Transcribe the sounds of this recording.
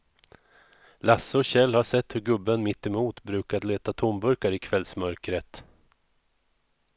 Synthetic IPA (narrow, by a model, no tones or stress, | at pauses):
lasːəɔɕɛlːhaʂɛt̪ːhɵɾɡɵbːənmɪt̪ːɛmuːt̪bɾʉ̟ːkad̪leːt̪at̪ʰʊmbɵɾkaɾɪkʰvɛlsmœɾkɾət̪